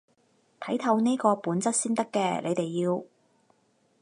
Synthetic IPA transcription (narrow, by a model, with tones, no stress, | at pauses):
t̪ʰɐ˨˥jt̪ʰɐ˧wneː˥kɔː˧puː˨˥nt͡sɐ˥t̚siː˥nt̪ɐ˥kːɛː˧lḛ˨˧jt̪e˨jːiː˧w